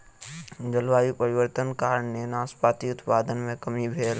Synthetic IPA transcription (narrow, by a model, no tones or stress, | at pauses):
d͡ʒəlʋaːjipəɾɪʋəɾt̪ənkaːɾəɳnenaːspaːt̪iʊt̪paːd̪ənmẽkɐmibʱeːl